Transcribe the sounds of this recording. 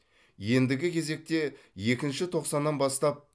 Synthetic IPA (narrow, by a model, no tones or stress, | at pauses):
je̞nd̪ɪɡʲɪkʲʰe̞ze̞k̚t̪e̞ | je̞kʲɪnʃɪt̪ʰo̞qsɑnːɑnbɑst̪ɑp̚